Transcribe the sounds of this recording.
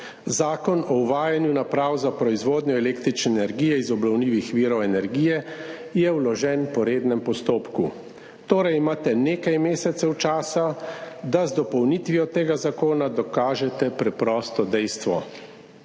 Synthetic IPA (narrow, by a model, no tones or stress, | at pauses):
zaːkɔnɔuʋaːjanjunapɾawzapɾɔizʋoːd̪njɔɛleːkt̪ɾit͡ʃnɛːnɛɾɡiːjɛizɔbnɔwniːʋixʋiːɾɔwɛnɛɾɡijɛ | jɛwlɔʒɛnpɔɾeːd̪nɛmpɔst̪oːpku | t̪oːɾajimaːt̪ɛneːkajmeːsɛt̪sɛwt͡ʃaːsa | d̪azd̪ɔpɔwnit̪ʋijɔt̪eːɡazakoːnad̪ɔkaːʒɛt̪ɛpɾɛpɾɔːst̪ɔd̪ɛjst̪ʋɔ